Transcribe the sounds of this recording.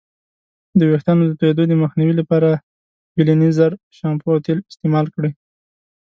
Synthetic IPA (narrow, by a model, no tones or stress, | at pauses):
d̪əwext̪anod̪ət̪aed̪od̪əməxniwilapɑɾa | bilanizaɾ | ʃɑmpoat̪elɪst̪emɑlkɽi